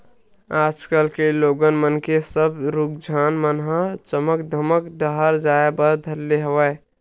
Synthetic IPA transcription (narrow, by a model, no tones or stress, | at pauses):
aːd͡ʒkəlkeloːɡənmənkesəbɾuk̚d͡ʒʱaːnmənɦət͡ʃəməkd̪ʱəməkɖ̪əɦəɾd͡ʒaːebəɾd̪ʱəlːeɦəʋəj